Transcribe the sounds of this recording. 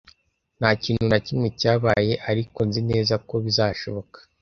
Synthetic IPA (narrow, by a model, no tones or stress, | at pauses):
n̥haːciːn̤̥unacimŋe̞caːβaːje̞ʔaɾiko̞nzine̞ːzako̞βizaːʃo̞βo̞kḁ